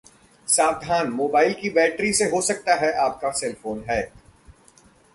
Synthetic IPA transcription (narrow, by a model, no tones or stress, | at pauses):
saːʋd̪ʱaːnmoːbaːɪlkibɛːʈɾiseɦosɐk̚t̪aɦɛʔaːp̚kasɛlfoːnɦɛː